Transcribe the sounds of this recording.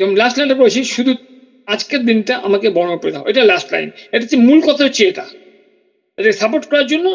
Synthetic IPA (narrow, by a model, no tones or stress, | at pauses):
ɛboŋlasʈlajnʈapoet͡ɕʰiʃud̪ʱu | ad͡ʑkeɾd̪inʈaʔamakebɔɾonopɾod̪ʱaɦo̰eʈalasʈla̰jneʈat͡ɕ̪imulkɔt̪ʰot͡ɕʰeeʈa̰ | eʈakesapoɾʈkɔɾaɾd͡ʑonːo